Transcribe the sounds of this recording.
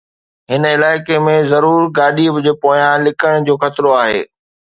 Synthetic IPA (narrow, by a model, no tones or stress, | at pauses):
ɦɪnɪlaːɪkemẽzɐɾuːɾɡaːɗibɪd͡ʑepoːjãlɪkəɽ̃d͡ʑoːxɐt̪ɪɾoaːɦḛː